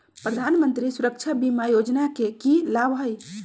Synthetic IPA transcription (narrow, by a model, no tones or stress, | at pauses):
pɾəd̪ʱanmənt̪ɾisuɾək̚t͡ʃʰabimajod͡ʒnakekilabɦəj